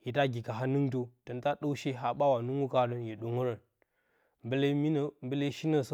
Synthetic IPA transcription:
ji˨ta˦ɡi˨ka˨ɦa˦nə˦ŋto˦tə˨n˦ta˦ɗo˦wʃe˦ɦa˦ɓa˦wa˨nu˦ŋu˦ka˦ɾə˦njə˨ɗu˨ŋu˦ɾə˨n | mbə˦le˦mi˦n˦˨mbə˦le˦ʃi˦nə˦˨s

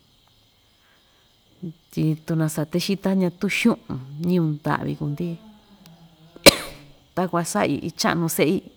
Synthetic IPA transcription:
t̪i˧t̪u˧nã˧sa˧t̪e˦ʃi˦t̪a˦ɲã˧t̪u˦ʃũ˦ʔũ˧ɲĩ˦ũ˧nd̪a̰˨ʔβḭ˧ku˧nd̪i˦ | t̪a˦kʷa˧sa̰˦ḭ˧˨ʔi˧t͡ʃa̰˦ʔnũ˧se˦ʔi˦˧

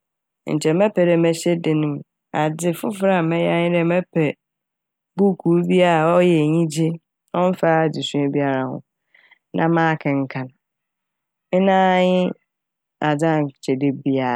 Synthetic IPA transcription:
n̩̰˨t͡ɕʰɛ˨mɛ˦pʰɛ˨ɾe˨mɛ˦ɕe˦dɪ˨nʊ̃˦˨m˨ | a˨dɪ˦fʊ˦fɾa˨mɛ˦ja˦ɲɪ̃˦dɛ˦˨mɛ˦pʰɛ˨ | bu˦kʰu˨˦bi˦a˦ɾa˨ɔ˦jɛ˨ɲĩ˦d͡ʑe˦ | ɔ̃˦n̩˦fa˦˨di˨sũ˦e˦bi˦a˦ɾa˨hʊ̰̃˨ | nʔã̰˦mãː˦kʰɪ̃˨ŋ̩˦kʰã˨n˨ | ɪ˦nãː˦ɲɪ˦ | a˨da˦a˨t͡ɕʰɛ˨de˦bi˦a˨

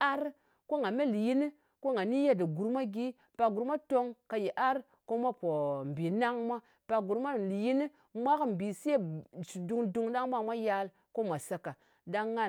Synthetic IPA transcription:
a˦ɾ | ko˦ŋa˨me˦li˨ji˦ni˦ | ko˦ŋa˨ni˦je˦di˨ɡu˨ɾmʷa˦ɡi˦ | pa˨ɡu˨ɾmʷa˦to˦ŋka˨ji˨ʔa˦ɾ | ko˦mʷa˦po˨m˨bi˨na˦ŋmʷa˦ | pa˨ɡu˨ɾmʷa˦˨li˨ji˦ni˦ | mʷa˦km̩˨bi˨se˦t͡ʃu˨du˨ŋdu˦ŋda˦ŋmʷa˦mʷa˦ja˦l | ko˦mʷa˨sa˦ka˨ | da˦ŋːa˦

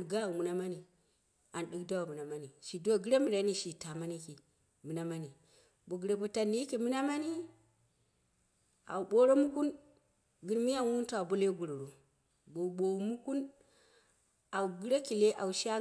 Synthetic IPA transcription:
ɡa˦˨u˨mu˨na˦ma˦ni˨ | a˨nɗi˦kda˦wu˨mu˨na˨ma˦ni˨ʃi˨do˦˨ɡi˦ɾe˦mi˨ɾa˨˦ni˦ʃi˨ta˨ma˦ni˦ki˨ | mi˨na˦ma˦ni˨ | bo˨ɡi˨ɾe˨bo˨ta˨ni˦ki˨mi˦na˦ma˦ni˦ | a̰˨u˨ɓo˦ɾo˦mu˦ku˦n | ɡi˦ɾmi˦ja˦wu˦n˦ta˨bo˦le˦ɡu˨ɾo˨ɾo˨ | bo˨ɓo˨u˨mu˦ku˦n | a˨wu˨ɡi˦ɾe˦ki˨le˦ʔa˨u˨ʃa˦

